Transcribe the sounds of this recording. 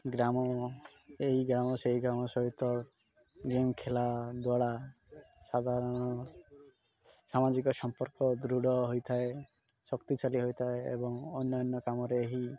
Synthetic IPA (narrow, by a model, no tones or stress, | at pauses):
ɡɾamɔ | eɦiɡɾamɔseɦiɡɾamɔsɔɦit̪ɔ | ɡemkʰelad̪waɽa | sad̪ʱaɾɔɽ̃ɔ | samad͡ʒikɔsɔmpɔɾkɔd̪ɾuɽɔɦojt̪ʰae | sɔkt̪it͡ʃaliɦojt̪ʰaeḛbɔŋɔnːɔjɔnːɔkamɔɾeːɦi